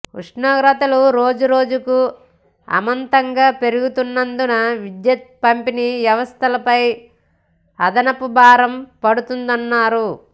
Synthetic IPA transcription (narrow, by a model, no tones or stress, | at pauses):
kuʂnaːɡɾɐt̪ɐluɾo̞ːd͡ʒuɾo̞ːd͡ʒuku | ɐ̰mɐnt̪ɐŋɡaːpe̞ɾuɡut̪unːɐnd̪unɐʋid̪jɐt̪̚pɐmpiniʋjɐʋɐst̪ʰɐlɐpɐj | ɐd̪ɐnɐpubaːɾɐmpɐɽut̪und̪ɐnːaːɾu